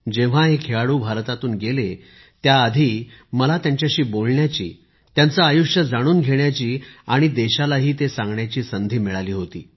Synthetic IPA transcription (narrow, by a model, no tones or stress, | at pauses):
d͡ʑeʋ̤aɦekʰeaɽuːbʱaɾt̪at̪uːnɡele | t̪jaəd̪ʱiː | məlat̪jãɲt͡ɕjaɕiːbolɳjat͡ɕḭː | t̪jant͡saːjuʂjəd͡zaɽ̃uːnɡʱeɳjat͡ɕiːaɽ̃id̪eɕalaɦiːt̪esãŋɡɳjat͡ɕiːsənd̪ʱiːmiɭaliːɦot̪ḭː